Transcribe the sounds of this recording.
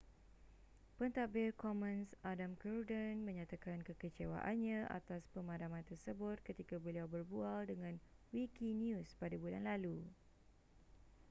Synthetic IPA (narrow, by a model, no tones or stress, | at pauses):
pənt̪abɪrkɔmə̃nsʔadamkərdənmə̃ɲãt̪akankəkət͡ʃewa̰ʔanɲãʔa̰t̪aspəmadamãnt̪ərsəbʊt̪̚kət̪ikabəliawbərbualdəŋãnwikinjuspadabulanlalu